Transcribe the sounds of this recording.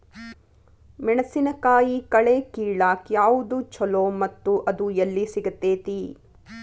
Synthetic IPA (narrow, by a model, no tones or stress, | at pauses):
mɛɳɐsinɐkaːjikɐɭeːkiːɭaːkjaːʋud̪ut͡ʃʰɔloːmɐt̪ːuʔɐd̪ujɐlːisiɡɐt̪ːeːt̪i